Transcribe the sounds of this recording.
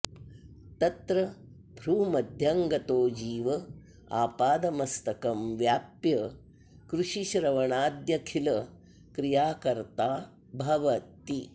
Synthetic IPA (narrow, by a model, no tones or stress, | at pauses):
t̪ɐt̪ɾɐ | bʱɾuːmɐd̪ʱjɐŋɡɐt̪oːd͡ʒiːʋɐ | a̰ːpaːd̪ɐmɐst̪ɐkɐmʋjaːpjɐ | kɾuʃiʃɾɐʋɐɳaːd̪jɐkʰilɐ | kɾijaːkɐɾt̪aː | bʱɐʋɐt̪ːi